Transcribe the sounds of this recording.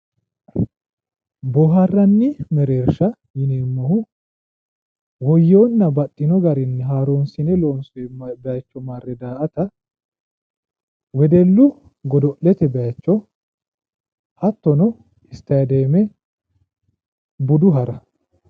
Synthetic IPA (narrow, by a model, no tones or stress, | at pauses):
bɔɦɐrːɐnːɪmɛɾeːɾʃɐ | jɪneːmːɐhʊ | wɔjːo̞ːnːɐbɐt̪ʼːɪnɔɡɐɾɪnːɛɦaːɾoːnsɪnɛloːnsʊɛbɛat͡ʃːɔmaːrːɛd̪aːʔɐt̪ɐ | wɛd̪ɛlːʊ | ɡɔd̪ɔʔlɛt̪ɛbɛjat͡ʃːɔ | ɐt̪ːɔnɔ | ɪst̪ɐjd̪eːmɛ | bʊd̪ʊɦɐɾɐ